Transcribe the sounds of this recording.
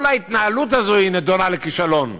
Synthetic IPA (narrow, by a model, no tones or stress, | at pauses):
lait̪naalut̪̬azoined̪onalekiʃalon